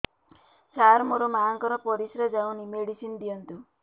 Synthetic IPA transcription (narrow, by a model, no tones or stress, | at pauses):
saɾmoɾomaaŋkɔɾɔpɔɾisɾɔd͡ʒaw̃nimeɽisind̪ijɔnt̪u